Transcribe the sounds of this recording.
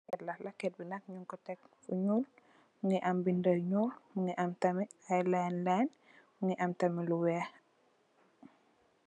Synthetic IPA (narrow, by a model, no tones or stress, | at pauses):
kɛtlɐhlakɛt̚binɐk̚ɲuŋkɔtɛk̚fṵɲuːl | muŋiʔambindəɲuːlmuŋiʔamtɐmiajlɛnlɛn | muŋiʔamtɐmiluwɛ